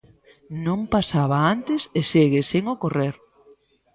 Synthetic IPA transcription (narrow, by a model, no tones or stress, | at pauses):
nõmpasaβaant̪ɪseseɣeseŋokoreɾ